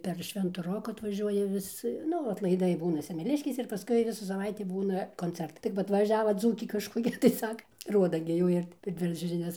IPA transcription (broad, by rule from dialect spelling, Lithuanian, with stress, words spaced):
pʲɛr ˈʃʲʋʲɛntʊ ˈroːkʊ ɐtʋɐˈʒʲuɔjɛ ˈʋʲɪs ˈnʊ ɐtlˠɐɪˈdɐɪ ˈbuːnɐ sʲɛmʲɛˈlʲɪʃʲkʲeːsʲɛ ɪr pɐˈskʊɪ ˈʋʲɪsuː sɐˈʋɐɪtʲiː ˈbuːnɐ koːnʲˈt͡sʲɛrtɐɪ tɐɪ kɐp ɐtʋɐˈʒʲæːʋɐ ˈd͡zuːkʲeː kɐʃkoːˈkʲɛ tɐɪ ˈsɑːkɐ ˈruɔdɐ ɡʲɪ ˈjuː ɪr pʲɛr ˈdʲʋʲɪrɐt͡ʃʲoː ʒʲɪˈnʲɛs